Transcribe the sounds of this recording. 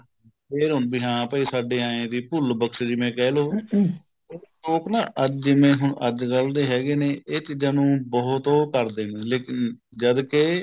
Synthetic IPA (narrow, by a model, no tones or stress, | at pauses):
pʰeːɾɦʊnbiːɦãːpəiːsaːɖeːãːẽːd̪iːpʊlbəkʃd͡ʒɪmẽːkɛːloː | oʈoːknaːʔəd͡ʒd͡ʒɪmẽːɦʊɳəd͡ʒɡəld̪eːɦɛːɡeːneːʔɪt͡ʃd͡ʒənũːbɔːt̪oːkəɾd̪eːneːleːkɪn | d͡ʒəd̪keː